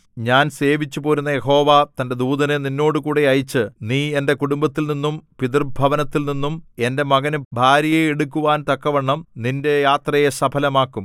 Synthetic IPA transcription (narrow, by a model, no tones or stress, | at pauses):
ɲaːnse̞ːʋit͡ɕːupoːɾunːɐje̞ho̞ːʋat̪ɐnde̞d̪uːðɐneninːo̞ːɽɨkuːɽeɐjit͡ɕːɨniːe̞nde̞kuɽumbɐt̪ːilninːumpiðɐrbʱɐʋɐnɐt̪ːilninːume̞nde̞mɐɡɐnbʱaːɾjɐjeeɽukːuʋaːnt̪ɐkːɐʋeɳːɐmninde̞jaːt̪rɐjesɐbʰʱɐlɐmaːkːum